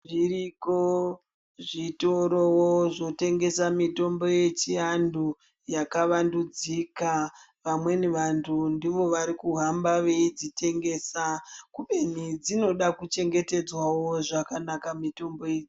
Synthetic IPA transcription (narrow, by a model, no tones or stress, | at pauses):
ʐiriko | ʐitoɾo̞woʐo̞te̞ŋɡe̞samito̞mbo̞je̞t͡ʃiandu | jakaʋandud͡zika | ʋamwe̞neʋantʰundiʋo̞ʋaɾikuɦambaʋe̞id͡zitʰe̞ŋɡe̞ːsakuɓe̞nid͡zino̞ɗakut͡ʃe̞ŋɡe̞te̞d͡zwawo̞ʐakanakamito̞mbo̞ed͡zi